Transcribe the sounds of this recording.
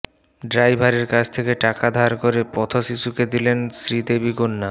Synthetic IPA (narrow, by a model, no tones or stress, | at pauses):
ɖɾajbʱaɾeɾkat͡ɕʰt̪ʰekeʈakad̪ʱaɾkoɾepɔt̪ʰoʃiʃuked̪ilensɾid̪ebikonːa